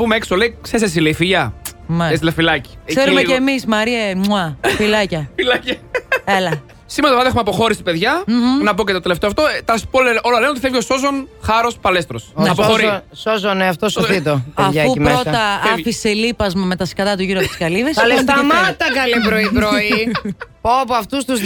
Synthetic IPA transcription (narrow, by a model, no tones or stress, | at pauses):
pumeekso̞leikseses̬ilefiʝɐmɐesilɐfilɐci̥seɾumeemismɐɾiɐmuɐfilɐcɐfilɐcɐelɐ | simeɐt̪ɐvɐðexumeɐpo̞xo̞ɾisi̥pe̞ðʝɐnɐpocet̪ot̪eleft̪eɐft̪ot̪ɐspoleʔo̞lɐlenot̪iθevʝeoso̞zo̞nxɐɾo̞spɐlest̪ɾosneɐpoɾsozoneɐft̪osoθit̪opɐfɐumpɾeo̞t̪ɐɐfiselipɐzmɐme̞t̪ɐskɐt̪ɐt̪uʝiɾuɐpot̪i̥skɐlivesɐlesnt̪ɐmɐt̪ɐkɐlipɾoipɾoipopoɐft̪ust̪uz